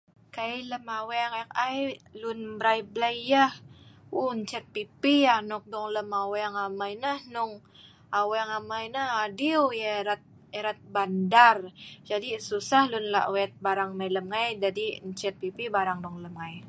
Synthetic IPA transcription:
kailəmawɛŋk̚ajlʊnbɾajblajjahuɲt͡ʃɛt̪̚pipianɔk̚dɔŋləmawɛŋamajnəhnʊŋ | awɛŋamajnəhadiwjaɾat̪̚ | eɾat̪̚bandard͡ʒadisusahlʊnla̰ʔwɛt̪̚baɾaŋmailəmŋajd͡ʒadiɲt͡ʃɛt̪̚pipibaɾaŋdɔŋləmŋaj

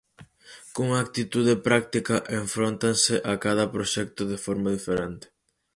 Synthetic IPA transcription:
koŋak̚t̪it̪uð̞ɪpɾak̚t̪ikɐʔeɱfɾont̪ansɪʔakaðɐpɾoʃɛk̚t̪ʊðɪfoɾmaðifeɾent̪ɪ̥

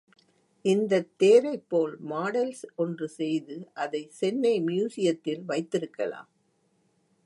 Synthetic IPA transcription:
ʔɪnd̪ɐt̪ːeːɾɐɪpːoːlmaːɽɐlsɔndrɯsɛjðɯʔɐðɐɪsɛnːɐɪmjuːsɪjɐt̪ːɪlʋɐɪt̪ːɪɾɯkːɐ̰la̰ːm

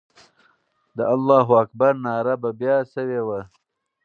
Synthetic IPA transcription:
d̪əʔalːɑːɦoakbaɾnɑːɾababjɑsəwewa

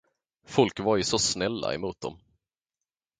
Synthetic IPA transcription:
fɔlkvaɾjʏsɔsnɛlːa̰ɛ̰muːt̪̚d̪ɔ̰m

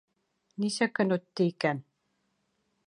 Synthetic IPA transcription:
nisɘ̆kɘ̆nut̪ːiikæn

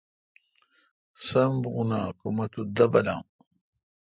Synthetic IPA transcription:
sɐmbʁunakumɐt̪ud̪ɐbɐla̰m

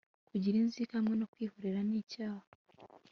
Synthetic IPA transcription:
kuɟiɾiːnziːkamŋe̞no̞kwiːhuɾeɾaniːcaːha

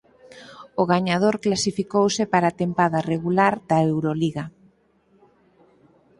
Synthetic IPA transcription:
ʊɣaɲað̞oɾklasifikowsɪpaɾat̪empaðareɣulaɾd̪aewɾoliɣa

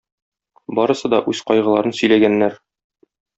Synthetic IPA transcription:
bɒɾɤ̆sɤd̪ɒʔʉzqɒjʁɤ̆lˠɑɾɤnsɵ̆jlæɡænːæɾ

